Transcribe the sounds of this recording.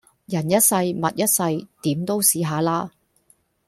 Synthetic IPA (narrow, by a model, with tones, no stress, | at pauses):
jɐ˨˩njɐ˥t̚sɐ˧jmɐ˨t̚jɐ˥t̚sɐ˧jt̪iː˨˥mt̪o˥wsiː˨˥ɦaː˨˧laː˥